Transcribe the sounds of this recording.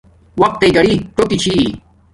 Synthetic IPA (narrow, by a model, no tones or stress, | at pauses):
wɐk̚t̪eɡɐɽiʈokit͡ɕʰi